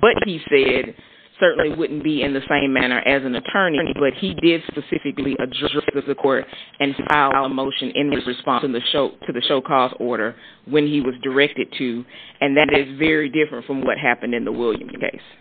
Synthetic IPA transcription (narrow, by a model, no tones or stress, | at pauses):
b̥ʌt̚hisɛd̥̚ | sɜ˞ʔn̩liwʊdⁿn̩b̥iɪ̃nðɨsẽɪ̃mːænə̰˞ʔɨzɨ̃nɨtʰɜ̃˞ninibʌt̚hidɪd̥spɨsɪfɨkliʔɨdɹɛdɹɛsðʌvðɨkʰɔɹɾɨ̃naɪlˠamoʊʃɨ̃nɪ̃nɹɨɹɨspɑ̃nsɨ̃n̩ðɨʃoʊɾʰɨðɨʃoʊkʰɔsɔɹɾə˞ | wɨ̃niwʌzdə˞ɛk̚tɨd̚tʰʉɨ̃nðɨɾɪzvɛɹidɪfɹɨ̃ntfɹʌ̃mwʌt̚ɦæpɨ̃n̩dɨ̃nðəwɪlˠjɨ̰̃mkʰḛɪs